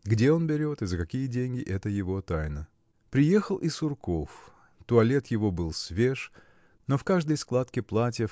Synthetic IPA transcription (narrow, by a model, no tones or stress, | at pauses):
ɡdʲe̞o̞nbʲɪɾʲo̞t̪ɨzəkɐkʲijədʲenʲɡʲɪʔɛt̪əjɪvo̞t̪ajnə | pɾʲɪje̞xəlˠʔɪsʊrkof | t̪ʊɐlʲe̞t̪jɪvo̞bɨlˠsvʲeʂ | no̞fkaʐd̪əjsklˠat̪kʲɪplˠatʲjə